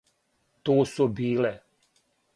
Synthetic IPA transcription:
t̪oːsubiːle

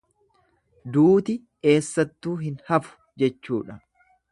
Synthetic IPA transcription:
d̪uːt̪ɪ | e̞ːsːɐt̪ːuːɦɪnhɐfʊ̥ | d͡ʒɛt͡ʃːuːᶑɐ

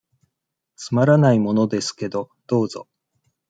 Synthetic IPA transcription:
t͡sɨmaɾanaimo̞no̞d̪e̞sɨ̥ke̞d̪o̞ | d̪̥o̞ːzo̰

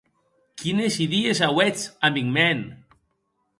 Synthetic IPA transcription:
kinesiðies̬awet͡sambiŋmɛn

